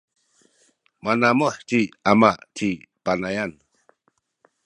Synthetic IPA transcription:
manamɔħt͡ʃiamaʔt͡ʃʰipanajan

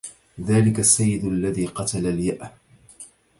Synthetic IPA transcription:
ðaːlɪkasːajːɪd̪alːaðiːqɑt̪alaljaʔ

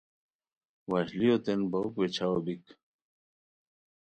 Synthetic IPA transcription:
waɕlijot̪enbɐukwet͡ɕʰawobik

